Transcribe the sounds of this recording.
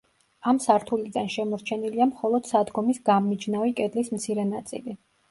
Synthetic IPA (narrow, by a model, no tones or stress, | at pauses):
amsaɾt̪ʰuliɡ̪anʃɛmɔɾt͡ʃʰɛniliamχɔlˠɔd̪̥sad̪ɡɔmisɡammid͡ʒnavikʼɛd̪lismt̪sʰiɾɛnat̪sʼḭli